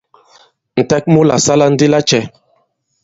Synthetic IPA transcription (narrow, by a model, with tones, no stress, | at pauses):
n̩˨tɛ˦k̚mo˦la˨sa˦la˦n̩˦di˦la˦t͡ʃɛ˨